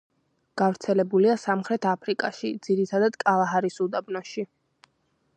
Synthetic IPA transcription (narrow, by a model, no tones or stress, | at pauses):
ɡ̥avɾt̪sʰɛlɛbuliasamχɾɛt̪ʰapʰɾikʼaʃid̪z̥iɾit̪ʰad̪ad̪̥kʼalˠaɦaɾisud̪abnɔʃi